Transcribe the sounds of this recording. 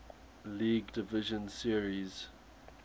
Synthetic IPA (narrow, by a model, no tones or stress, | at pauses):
liːɡdɪvɪʒə̃nsiəɹiz̥